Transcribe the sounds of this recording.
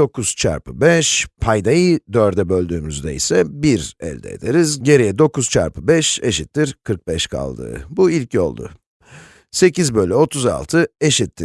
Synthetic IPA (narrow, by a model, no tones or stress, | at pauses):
okʰuz̥t͡ʃʰa̰ɾpɯbɛʃpʰajd̪ajɯd̪øɾd̪ɛbølʲd̪yːmyzd̪ɛ̰isɛbiɾɛ̰lʲd̪ɛ̰ḛd̪eɾizɟe̞ɾijɛd̪o̞kuz̥t͡ʃʰa̰ɾpʰɯbɛʃe̞ʃit̪ʰːiɾkʰɯɾk̚bɛʃkʰa̰lˠd̪ɯ̰ːbuilʲcʰjo̞̰lˠd̪ʊ̰ | se̞cizbølʲɛo̞t̪ʰuza̰lˠt̪ʰɯe̞ʃit̪ʰːɪ